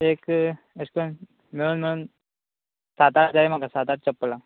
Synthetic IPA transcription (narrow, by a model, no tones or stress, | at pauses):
eːk | eskon | meɭuːnmeɭuːn | sat̪ad͡ʑaɾim̤akasat̪aʈ̚t͡ʃəpːla